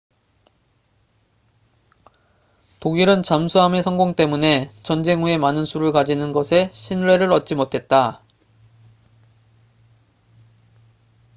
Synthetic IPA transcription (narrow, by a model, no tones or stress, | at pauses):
toɡiɾɯnt͡ɕamsʰuɦame̞sʰʌŋɡoŋt͈e̞mune̞t͡ɕʌnd͡ʑe̞ŋue̞manɯnsʰuɾɯɭkad͡ʑinɯnɡʌsʰe̞ɕʰinɭwe̞ɾɯɾʌt̚t͡ɕ͈imotʰe̞t̚t͈a